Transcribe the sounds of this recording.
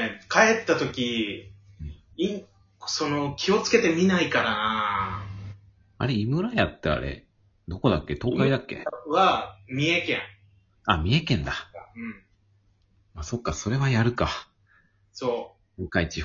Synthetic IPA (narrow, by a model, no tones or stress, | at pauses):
kae̞t̪ːat̪o̞kʲi | ɯ̃ɴ | i | so̞no̞kʲʰio̞t͡sɨ̥ke̞t̪e̞mʲinaikaɾana | a̰ɾeimɯ̟ɾajat̪ːea̰ɾḛ | d̪o̞ko̞d̪akːe̞t̪o̞ːkaid̪akːḛβamʲie̞kẽŋ | amʲie̞kẽ̞nd̪aɯ̃ɴ | maso̞kːaso̞ɾe̞βajaɾɯ̟ka | so̞ː | okait͡ɕi